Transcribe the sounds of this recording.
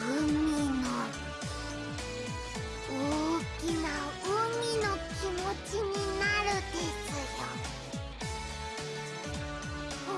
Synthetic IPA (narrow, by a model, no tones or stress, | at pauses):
ɯmino | okʲina | ɯmʲino̞kʲimot͡ɕiɲinaɾɯt̪eikoɡa